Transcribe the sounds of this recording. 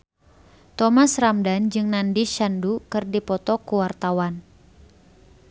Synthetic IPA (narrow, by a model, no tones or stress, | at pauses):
t̪ɔmasramdand͡ʒɨŋnandiʃandukɨrdipɔt̪ɔkuwart̪awan